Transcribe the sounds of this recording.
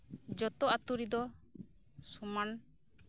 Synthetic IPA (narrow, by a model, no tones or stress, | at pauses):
d͡ʒɔt̪ɔat̪uɾid̪ɔ | suman